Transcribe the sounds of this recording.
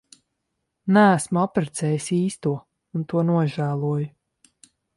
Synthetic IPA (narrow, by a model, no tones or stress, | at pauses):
næːsmuapɾɛt̪sɛːjisiːst̪uɔ | unt̪uɔnuɔʒæːlˠuɔjʊ